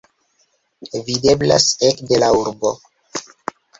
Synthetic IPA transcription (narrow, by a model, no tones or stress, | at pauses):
vide̞bla̰sekde̞lauɾbo̞